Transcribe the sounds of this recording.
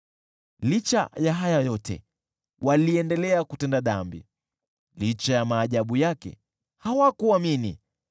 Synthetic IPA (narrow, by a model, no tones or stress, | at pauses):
lit͡ʃa̰jaɦajajɔtʰɛ̰ | waliɛndɛlɛakutɛndaɗambḭ | lit͡ʃajamaːʄaɓujakɛ̰ | hawakuaminḭ